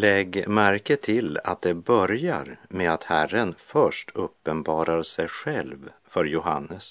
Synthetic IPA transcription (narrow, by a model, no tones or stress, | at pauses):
lɛɡmæɾkət̪ʰɪla̰t̪̚d̪ɛbœɾja̰ɾmeat̪hærənfœʂʈʰɵpːənbɑːɾaɾsɛjɧɛlvfœɾjʊɦa̰nːəs